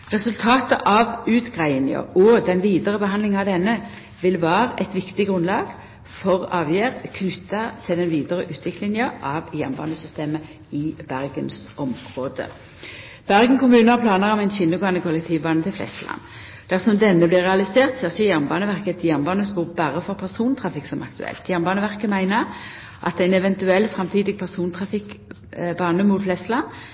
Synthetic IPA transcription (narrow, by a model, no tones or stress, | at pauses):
ʁɛsʉlt̪ʰɑːt̪ə̰ʔɑʋʉːt̪ɡʁæɪnjø̰ɔd̪ɛnʋiːd̪əʁəbəɦɑnd̪lɪŋɑʋd̪ɛnːə | ʋɪlʋæːʁəʔɛt̪ʋɪkt̪ɪɡʁʉnlɑːɡ̥ | fɔʁɑːʋjeːʁkʰnʏt̪ːɑt̪ʰɪld̪ɛnʋiːd̪əʁəʔʉːt̪ʰʋɪklɪŋjəʔɑʋjæʁmbɑ̰ːnəsʏst̪eːmə | ɪbæʁɡənsʔɔmʁoːd̪ə̰ | b̥æʁɡən̩kʊmʉːnəɑplɑːnəʁɔmæɪnɕɪnːʊɡoːɛnəkʰʊlːɛk̚t̪ʰiːʋbɑːnət̪ʰɪlflɛ̰st̪əlɑ̰nː | d̪̥æʁsɔmd̪ɛnːəblɪːʁːɛɑlɪseːʁt̪seːʁçəjæʁnbɑːnəʋæʁkət̪ʰjæʁnbɑːnəsbuːʁbæʁəfɔʁpʰæʁsuːnt̪ʰʁɑfɪksɔmɑ̰kt̪ʉɛ̰lt̪jæʁnbɑːnəʋæʁkəmæɪnəʁ | ʔɑ̰t̪̚d̪ɛæɪnɛʋɛnt̪ʉɛlːfʁɑmt̪ʰiːd̪ɪɡ̚pʰæʁsuːnt̪ʰʁɑfɪk | bɑːnəmuːt̪flɛst̪əlɑn